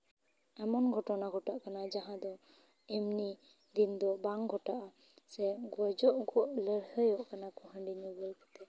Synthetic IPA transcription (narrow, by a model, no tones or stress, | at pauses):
ɛmɔnɡʱɔʈɔnaɡʱɔʈaʔkanad͡ʒaɦãd̪ɔ | ɛmni | d̪ind̪ɔbaŋɡʱɔʈaʔa | sɛɡɔd͡ʒɔʔɡɔʔləɾhəjɔʔkanakɔɦəɳɖiɲubəlkɔt̪ɛ